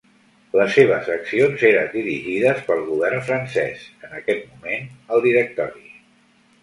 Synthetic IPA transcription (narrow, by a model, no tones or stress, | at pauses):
ləsːeβ̞əzəksionzeɾənd̪iɾiʒiðəspəlˠɣuβ̞ɛrnfɾənsɛ̰sənəkɛt̪mumenəlˠd̪iɾək̚t̪ɔɾi